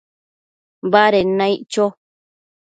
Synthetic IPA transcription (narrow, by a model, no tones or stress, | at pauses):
βaɾenãiʔt͡ʃo